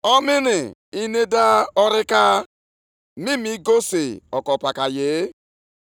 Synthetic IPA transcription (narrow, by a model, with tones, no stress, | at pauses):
ɔ˦mɪ˦nɪ˨i˦ne˦da˦ɔ˦ɾɪ˦ka˦ | mɪ˦mi˦ɡo˦se˨ɔ˨kɔ˨pa˨ka˨jɪ˨˦